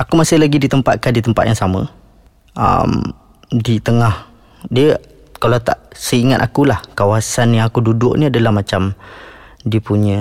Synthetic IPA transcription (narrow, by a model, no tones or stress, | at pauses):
akumasɪhlaɡidit̪əmpat̪̚kandit̪əmpat̪̚jaŋsamə̰ | ə̰m | dit̪əŋah | diə | kalat̪a̰ʔsəiŋat̪̚akulahkawasanjaŋakududʊʔ̚niadəlahmat͡ʃam | diəpuɲə